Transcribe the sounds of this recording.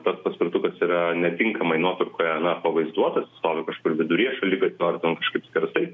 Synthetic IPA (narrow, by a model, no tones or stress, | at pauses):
t̪ɐspɐsʲpʲɪrt̪ʊkɐsiːɾɐnʲɛt̪ʲɪŋkɐmɐɪnuɔt̪ʊrkoːjɛɐnɐpɐʋɐɪzd̪uɔt̪ɐsɪst̪oːʋʲɪkɐʃkʊːɾʋʲɪd̪ʊɾʲiɛʃɐlʲikɐt̪ʲnoːrʲt̪ʲɛnkɐʃkɐɪpsʲkʲɛɾsɐɪ